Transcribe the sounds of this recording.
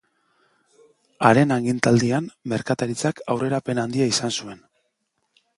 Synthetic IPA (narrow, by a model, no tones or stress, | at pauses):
aɾe̞naŋɡint̪ald̪iamme̞ɾkat̪aɾit͡sakawre̞ɾape̞nand̪iaisansue̞n